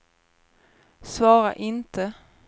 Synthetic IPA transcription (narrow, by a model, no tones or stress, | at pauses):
svɑːɾa̰ʔɪnt̪ʰə